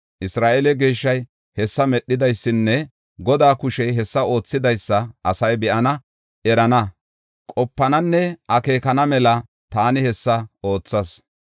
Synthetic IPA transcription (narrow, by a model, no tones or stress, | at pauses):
ʔɪsɾaːʔɛlɛɡe̞ːʃːɐj | hɛsːɐmɛɗːɪd̪ɐjsːɪnːɛ | ɡɔd̪aːkʊʃɛjɦɛsːɐo̞ːt͡sːɪd̪ɐjsːɐʔɐsɐjbɛʔɐnɐ | ɛɾɐnɐ | kʼɔpːɐnɐnːɛʔɐke̞ːkɐnɐmɛlɐ | t̪aːnɪhɛsːɐo̞ːt͡sːɐs